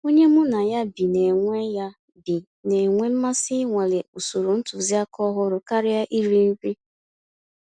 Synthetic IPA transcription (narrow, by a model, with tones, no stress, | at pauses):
o˦ɲe˦mʊ˦na˨ja˦bi˨ne˨ŋʷe˦ja˦ | bi˨ | ne˨ŋʷe˦m̩˦ma˦sɪ˦ŋʷa˨le˨u˨su˨ɾo˨n̩˦tʊ˨zi˦a˦kɔ˦ɦʊ˦ɾʊ˦ka˦ɾɪ˦ja˦ʔi˦ɾi˦m̩˦k͡pi˦